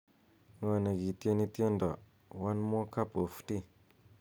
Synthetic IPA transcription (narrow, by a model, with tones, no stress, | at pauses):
ŋa˨nə˨ɡi˨ti˦e˦ni˦ti˦e˦nda˨ | wa˦nmo˦ka˦po˨fti˦